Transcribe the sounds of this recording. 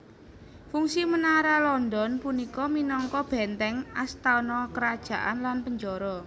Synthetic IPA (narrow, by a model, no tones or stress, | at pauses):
fuŋsimənaɾalɔnd̪ɔnpunikɔminɔŋkɔb̥ɛ̤nt̪ɛŋast̪anɔkəɾad̥ʒ̥a̤ʔanlanpəɲd͡ʒɔɾɔ